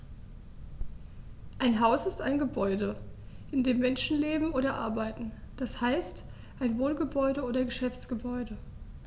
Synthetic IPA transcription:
ʔaɪnɦaʊsɪstaɪnɡəbɔʏdəʔɪndeːmːɛnʃn̩leːbm̩oːɾɐʔaɐbaɪtn̩d̥ashaɪst | ʔaɪnvoːnɡəbɔʏɾəoːdɐɡəʃɛft͡sɡ̥əbɔʏdə

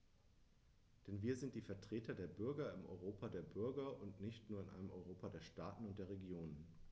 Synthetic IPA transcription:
d̥ɛnviːɐzɪnt̚d̥iːfɛɐtʁ̥eːtɐdeːɐbʏɐɡɐɪmʔɔ̰ʏʁ̞oːpʰadeːɐbʏɐɡɐʔʊntnɪçtnuːɐɪnʔa̰ɪnəmɔʏʁoːpadeːɐʃtaːtn̩ʊnt̚d̥eːɐʁeɡjoːnən

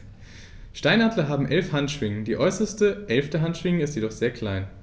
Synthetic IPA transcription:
ʃtaɪnadlɐɦaːbm̩ʔɛlfhantʃv̥ɪŋəndiːʔɔʏsɐstəʔɛlftəɦantʃv̥ɪŋəɪstjedɔχz̥eːɐkʰl̥aɪn

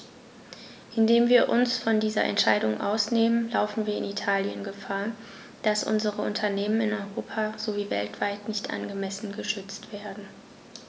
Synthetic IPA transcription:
ʔɪndeːmviːɐʔʊnsfɔndiːzɐ̰ʔɛ̰ntʃaɪdʊŋʔa̰ʊsneːmənlaʊfn̩viːɐɪ̰nitʰaːljənɡəfaːɐ | d̥asʔʊ̰nzəʁəʔʊntʰɐneːmənɪnɔʏʁoːpʰazoviːvɛ̰ltv̥aɪtnɪçtʔa̰nɡəmɛsn̩ɡəʃʏt͡stv̥eːɐdn̩

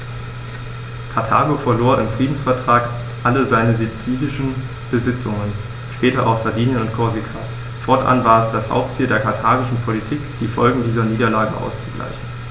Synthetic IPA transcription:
kʰaɐtʰa̰ːɡofɛɐloːɐʔɪmfʁ̥iːdn̩sfɛɐtʁ̥aːk | ʔaləzaɪnəzet͡siːlɪʃn̩ | b̥əzɪt͡sʊŋən | ʃpɛːtɐʔa̰ʊxz̥aɐviːnjənʊntkʰɔɐzikʰaː | fɔɐtʔa̰nvaːɐɛsd̥asha̰ʊp̚tt͡siːldeːɐkʰaɐtʰaːɡɪʃn̩pʰolitʰiːkd̥iːfɔlɡŋ̩diːzɐniːdɐlaːɡə̰ʔa̰ʊst͡suɡla̰ɪçn̩

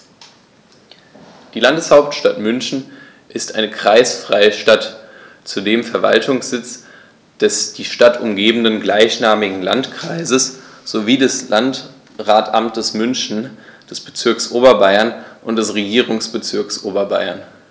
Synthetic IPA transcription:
d̥iːlandəshaʊp̚tʃtatmʏnçn̩ | ʔɪstʔaɪnəkʁ̥aɪsfʁ̥aɪəʃtat | t͡sudeːmfɛɐva̰ltʰʊŋsz̥ɪt͡s | d̥ɛsd̥iːʃtatʊmɡeːbn̩dənɡlaɪçnaːmɪɡŋ̩la̰ntkʁ̥aɪzəsz̥oviːdɛslant | ʁaːtʰamtəsmʏnçn̩d̥ɛsb̥ət͡sɪɐksʔoːbɐbaɪɐnʔʊnt̚d̥ɛsʁeɡiːʁʊŋsb̥ət͡sɪɐksʔoːbɐba̰ɪɐ̰n

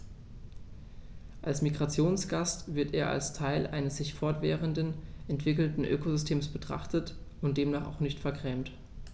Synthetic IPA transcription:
ʔalsmiɡʁat͡sjoːnsɡ̥astv̥ɪɐteːɐʔa̰lstʰaɪlʔaɪnəsz̥ɪçfɔɐtv̥ɛ̰ːʁəndənʔɛntv̥ɪkl̩tn̩ʔø̰ːkozʏstʰeːmsb̥ətʁ̥a̰χtət | ʊntd̥eːmnaːχa̰ʊxnɪçtfɛɐkʁ̥ɛːmt

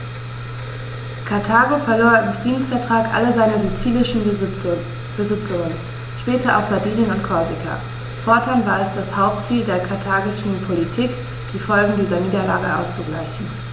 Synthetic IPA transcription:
kʰaɐtʰaːɡofɛɐloːɐɪmfʁ̥iːdn̩sfɛɐtʁ̥aːkʔa̰ləzaɪnɐzut͡siːlɪʃn̩ | b̥əzɪt͡sʊŋən | ʃpɛːtɐʔa̰ʊfz̥abiːnənʊntkʰɔɐzɪkʰa̰ | fɔɐtʰanvaːɐɛsd̥ashaʊp̚tt͡siːldeːɐkʰaɐtʰaːɡɪʃn̩pʰolitʰiːk | d̥iːfɔlɡŋ̩diːzɐniːdɐlaːɡəʔa̰ʊst͡suɡla̰ɪçn̩

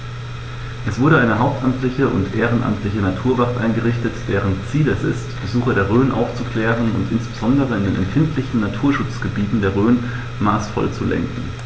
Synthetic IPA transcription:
ʔɛsv̥ʊɐɾəaɪnəɦaʊp̚tʔamtlɪçəʔʊ̰ntʔeːʁ̞ənʔa̰mtʰlɪçənatʰuːɐvaʁtʔaɪnɡəʁɪçtətd̥eːʁənt͡siːlɛsɪ̰stb̥əzuːxɐdeːɐʁ̞øːnʔa̰ʊft͡sukl̥ɛːʁənʊ̰ntʔɪnsb̥əzɔndəʁəɪndeːnʔɛ̰mfɪntʰlɪçn̩natʰuːɐʃʊt͡sɡ̥əbiːtn̩deːɐʁøːn | maːsfɔ̰lt͡sulɛ̰ŋkŋ̩

